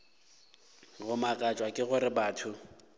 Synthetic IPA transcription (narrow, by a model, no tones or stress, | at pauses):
ɣʊmakʼat͡ʃʼwakʼɪɣʊɾɪbaːtʰʊ